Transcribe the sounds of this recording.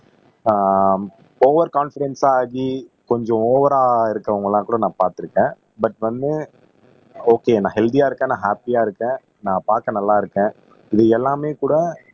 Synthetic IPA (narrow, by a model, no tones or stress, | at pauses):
oːʋɐɾkaːnfɪɾɛnsaːɣikɔɲd͡ʒɔ̃oːʋɐɾaːɪɾɯkːɐʋʊŋɡɐɭlːãːkuːɽɐnãːpaːɾt̪ɪɾɯkːẽː | bɐʈʋɐnd̪ɯ | oːkeːnãːɦɛld̪ijaːɪɾɯkːɛ̃ːnãːɦaːpijaːɪɾɯkːẽː | nãːpaːɾkɐ̃nɐlːaːɪɾɯkːẽː | ɪðɯɛlːaːmeːkuːɽɐ